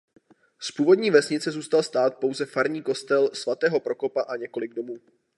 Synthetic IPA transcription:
spuːvo̞dɲiːvɛsɲɪt͡sɛzuːst̪alst̪aːt̪̚po̞wzɛfaɾɲiːko̞st̪ɛlsvat̪ɛːɦo̞pɾo̞ko̞paʔaɲɛko̞lɪɡ̚do̞muː

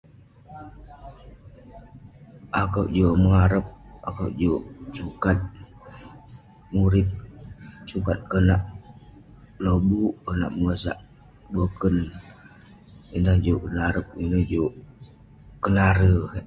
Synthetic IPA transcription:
ʔakəwʔd͡ʒoməŋaɾəp̚a̰kəwʔd͡ʒoʔsukat̪̚ | muɾɪp̚sukat̪̚kənaʔ | lobuʔkəna̰ʔməŋəsa̰ʔ | bəkən | indaŋd͡ʒoʔkənaɾəp̚inəd͡ʒoʔ | kənaɾə

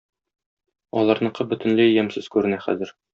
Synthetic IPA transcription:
ɒlˠɑɾnɤ̆qɤbɵ̆t̪ɘ̆nlɘjæmsɘz̥kʉɾɘ̆næχæ̰zɘɾ

